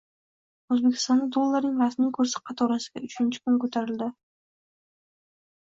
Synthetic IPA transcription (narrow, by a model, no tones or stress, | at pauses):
ɵzbe̞kʲʰɪ̥st̪ɒnd̪ad̪olˠːaɾnɪŋɾasmijkʰɵɾsɪ̥qʰɑt̪ʰɒɾasɪɡʲaʊt͡ʃʰɪnt͡ʃʰɪ̥kʰʊnkɵt̪ʰaɾɪld̪ɪ